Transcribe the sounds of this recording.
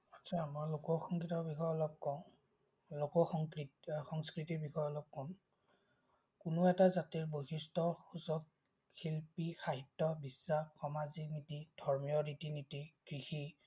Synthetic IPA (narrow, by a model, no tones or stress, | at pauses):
atsʰamɔjlokɔxɔŋkitɔbixɔjɔlɔp̚kɔʊ̃ | lokɔxɔŋkɹitxɔŋskɹitibixɔjɔlɔp̚kɔn | kʊnʊɛtazatiɹboɦistɔxusɔk̚ | xilpixaɦitːɔbisːaxxɔmazinitid̥ʱɔɹmijɔɹitinitiɡ̥ɹixi